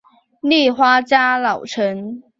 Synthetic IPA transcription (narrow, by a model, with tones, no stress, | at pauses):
ni˥˩xwa˥t͡ɕja˥lɑ˨˩ʊʈ͡ʂʰə˧˦ŋ